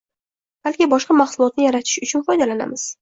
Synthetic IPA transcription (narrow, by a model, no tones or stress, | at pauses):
b̥alkʲɪbɒʃqɑmaχsʊlˠɒt̪̚nɪjaɾat̪ʰɪ̥ʃʊt͡ʃʰʊnfɒjd̪alana̰mɪz̥